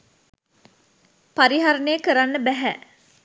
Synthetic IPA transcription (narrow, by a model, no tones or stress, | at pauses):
paɾiɦaɾənəjəkəɾanːəbæɦæ